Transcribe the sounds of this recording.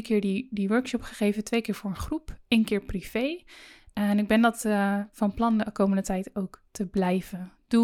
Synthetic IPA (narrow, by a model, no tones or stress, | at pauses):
kɪːɹdidiʋøɹkʃɔpχəχejvəntʋejkɪːɹvʊːɹənχrupenkɪːɹpriv̥ej | nɪɡ̚bɛndɑtfɑnplɑnkowməndətɛjtowktʰəblɛjv̥ənd̥u